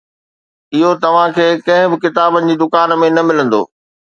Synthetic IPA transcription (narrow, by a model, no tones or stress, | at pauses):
ɪɦot̪ɐʋ̤ãkʰeːkɐ̃ɦɪ̃bɪkɪt̪aːbənɪ̆d͡ʑiːd̪ʊkaːnmẽnɐmɪlə̃nd̪o̰ː